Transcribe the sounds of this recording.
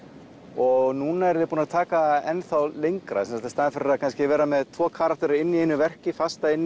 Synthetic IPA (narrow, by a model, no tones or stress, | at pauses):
ɔɣnuːnaɛɾðɪpunaðt̪ʰaːkaɛnθawlejŋkɾa̰ɛmsat̪ast̪aːðɪnfɪɾɪɾakʰanscɪvɛːɾamɛðt̪ʰvɔːkʰaːɾak̚t̪ɔɾɪɪnːiejnːʏvɛr̥cɪfast̪aɪnː